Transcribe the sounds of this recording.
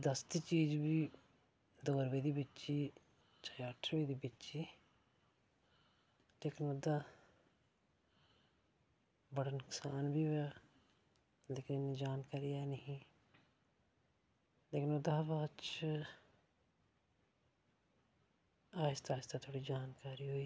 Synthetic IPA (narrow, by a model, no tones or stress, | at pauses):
d̪əst̪iːt͡ʃiːd͡ʒbiː | d̪oːɾbeːd̪iːbɪtːt͡ʃiː | t͡ʃajaːʈʰɾʋeːd̪iːbɪt͡ʃiː | leːkɪnʊd̪aː | bəɽənʊksaːnbiːʋɛ | leːkɪnɪniːd͡ʒaːnkaːɾiɛːnəɦĩː | leːkɪnʊd̪abat͡ʃ | aːɪst̪aːɪst̪at̪ʰoːɽiːd͡ʒaːnkaːɾiːɦoiː